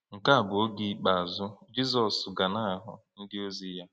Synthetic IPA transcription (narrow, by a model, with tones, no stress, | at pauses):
ŋ̩˨ka˦a˨bʊ˨o˦ɡi˦k͡pa˨a˨zʊ˦d͡ʒi˦zɔ˨sɡa˨na˦˨ɦʊ̰˨ | n̩˦dɪ˦o˦zi˦ja˦